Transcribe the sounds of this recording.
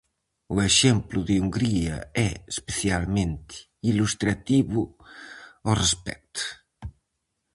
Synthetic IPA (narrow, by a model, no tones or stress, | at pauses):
ueʃɛmpluðeuŋɡɾiɐ̰ɛespeθjalmẽnt̪i̥ | ilust̪ɾat̪iβu | orespɛ̰k̚t̪u̥